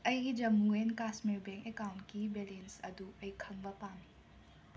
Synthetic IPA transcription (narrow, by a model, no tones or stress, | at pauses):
ɐjɡid͡ʒɐmuenkasmiɾbeŋkekawntkibelensɐduɐjkʰɐŋbɐpami